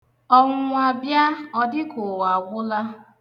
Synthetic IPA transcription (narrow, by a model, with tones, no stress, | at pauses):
ɔ˦ŋʷ˦a˨bja˦ɔ˦dɪ˦ko˨wa˨ɡʷʊ˦la˦